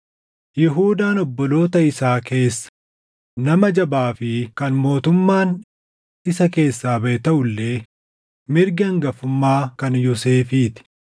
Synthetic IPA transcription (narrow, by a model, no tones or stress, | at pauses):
jɪɦuːd̪aːnɔbːɔlo̞ːt̪ɐɪsaːke̞ːsːɐ̥ | nɐmɐd͡ʒɐbaːfɪkɐnmo̞ːt̪ʊmːaːn | ɪsɐke̞ːsːaːbɐʔɛt̪ɐʔʊlːeː | mɪɾɡɐŋɡɐfʊmːaːkɐnjɔse̞ːfiːt̪ɪ̥